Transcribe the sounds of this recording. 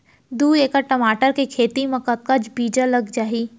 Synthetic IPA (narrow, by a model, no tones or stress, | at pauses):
d̪uːeːkaʈəmaːʈəɾkekʰeːt̪imɐ̃kət̪̚kad͡ʒbiːd͡ʒalɐɡd͡ʒaːiː